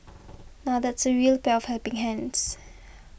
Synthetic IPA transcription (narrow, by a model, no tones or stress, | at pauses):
naʊðætsəɹiəlpeɔv̥hɛlpɪ̃ŋɦæ̃ns